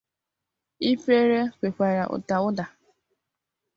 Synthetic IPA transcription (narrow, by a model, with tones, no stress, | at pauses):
i˦pe˦ɾe˦kʷe˨kʷa˨ɾa˨ʔʊ̰˨ta˨ʊ˦da˨